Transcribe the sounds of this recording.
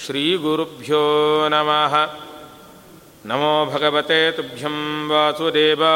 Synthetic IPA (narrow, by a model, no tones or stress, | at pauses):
ʃɾiːɡuɾubʱjoːnɐmaːɦɐ̆ | nɐmoːbʱɐɡɐʋɐt̪eːt̪ubʱjɐmʋaːsɐd̪eːba